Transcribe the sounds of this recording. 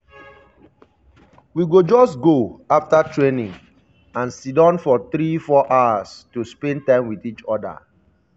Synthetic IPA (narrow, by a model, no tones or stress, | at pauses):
wiɡod͡ʒɔsɡoaftatɹenĩŋ | ãnsidãnfɔθɾifɔʔawastuspɛ̃ntãɪ̃mwiθit͡ʃɔda̰